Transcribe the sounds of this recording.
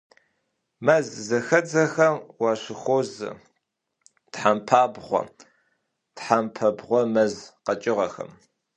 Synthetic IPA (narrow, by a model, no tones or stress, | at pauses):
mɐzzɐxɐd͡zɐxɐmwɑːɕʷɪxʷoːzɨ̰ | tħampʰaːbʁʷɔ̰ | tħampʰɐbʁʷɔmɐzqɐt͡ʃʼɪʁɐxɐ̰m